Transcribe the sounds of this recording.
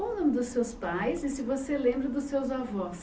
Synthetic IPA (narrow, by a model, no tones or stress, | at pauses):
õʊnõmɪd̪ʊsːewspajsɪsɪvoselẽmbɾɐd̪ʊsːewzavɔs